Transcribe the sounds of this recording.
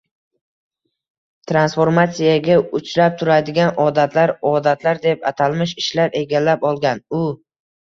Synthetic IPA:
t̪ʰɾansfo̞ɾmat̪sijaɡʲaʊt͡ʃʰɾap̚t̪ʰʊɾad̪ɪɡʲanɒd̪at̪ʰlaɾɒd̪at̪ʰlaɾd̪epat̪ʰalmɪʃɪʃlaɾe̞ɡʲalːapɒlˠɡʲanʊ

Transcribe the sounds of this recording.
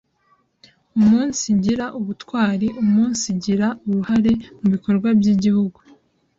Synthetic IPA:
umuːnsiɟiɾaʔuβutwaːɾiʔumuːnsiɟiɾauβuhaɾe̞muβiko̞ɾɡwabɟiɟihuɡu

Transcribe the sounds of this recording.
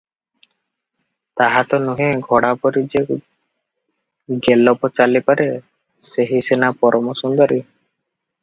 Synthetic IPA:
t̪aɦat̪ɔnuɦẽɡʱɔɽapɔɾid͡ʒe | ɡelɔpɔt͡ʃalipaɾe | seɦisenapɔɾɔmɔsɔnd̪ɔɾi

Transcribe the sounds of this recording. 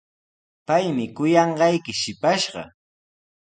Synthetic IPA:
pajmɪkʊjɑɴɢɑjkɪʃɪpaʃɢɑ̰

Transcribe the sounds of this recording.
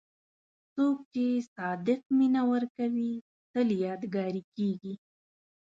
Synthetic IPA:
t͡sok̚t͡ʃesɑd̪ɪq̚minawəɾkawi | t̪əljɑd̪ɡɑɾikeɡi

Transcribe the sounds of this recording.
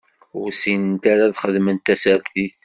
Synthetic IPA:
ʊɾsint̪aɾaðχəðmənt̪æsæɾθiθ

